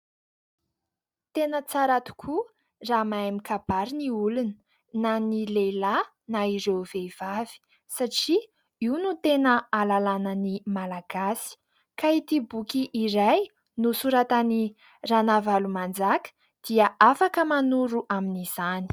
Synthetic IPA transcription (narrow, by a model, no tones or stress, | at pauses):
t̪enət͡saɾat̪u̥kʰu | ramaamikab̥aɾiniulunə | nanilela | naiɾewvev̥avi̥ | saʈ͡ʂi | iunut̪enəalalanənimalaɡasi̥ | kait̪ibukiʔːɾaj | nusuɾat̪ani | ranavalumand͡zakə̥ | d̪̥iəʔafakəmanuɾuʔaminiz̥ani̥